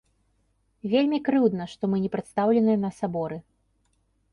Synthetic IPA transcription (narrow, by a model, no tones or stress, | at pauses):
vʲelʲmʲikɾɨwd̪nɐʂt̪ɔmɨnʲɛpɾɨt̪st̪awlʲɛnɨjɐnɐsabɔɾɨ